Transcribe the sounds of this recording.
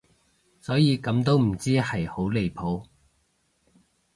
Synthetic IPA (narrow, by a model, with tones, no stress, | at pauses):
sɔː˨˥jiː˨˧kɐ˨˥mt̪o˥wm̩˨˩t͡siː˥hɐ˨jho˨˥wle˨˧jpʰo˨˥w